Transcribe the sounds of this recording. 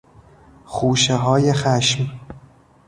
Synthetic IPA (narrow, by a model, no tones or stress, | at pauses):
xuːʃeɦɒːjexæʃm